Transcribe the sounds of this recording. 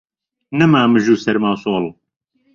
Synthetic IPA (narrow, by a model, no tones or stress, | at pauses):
nɨmaːmɨʒuːsɛɾmaːwsoːl